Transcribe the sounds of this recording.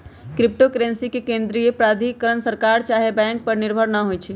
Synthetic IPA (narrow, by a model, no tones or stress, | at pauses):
kɾɪp̚ʈokɾẽnsikekẽːnd̪ɾijepɾaːd̪ʱikːəɾənsəɾkaɾt͡ʃaːɦebɛ̃ŋk̚pəɾnɪɾbʱəɾnəɦojt͡ʃʰi